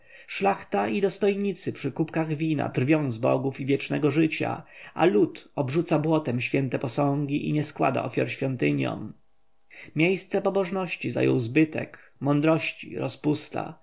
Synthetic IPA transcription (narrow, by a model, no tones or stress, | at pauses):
ʂlaxt̪aid̪ɔst̪ɔjɲit̪sɘpʂɘkupkaɣvʲina̰d̪ɾvʲjɔ̃w̃zbɔ̰ɡufivʲjɛt͡ʂnɛɡɔʐɘt͡ɕa̰alut̪ɔbʐut̪sabwɔt̪ɛmɕfʲjɛnt̪ɛpɔsɔ̃ŋɡʲiʔiɲɛskwa̰d̪a̰ʔɔfʲjaɾɕfʲjɔnt̪ɘɲjɔ̰m | mʲjejst̪sɛpɔbɔʐnɔɕt͡ɕiza̰jɔ̰wzbɘt̪ɛ̰k | mɔnd̪ɾɔɕt͡ɕḭɾɔspust̪a̰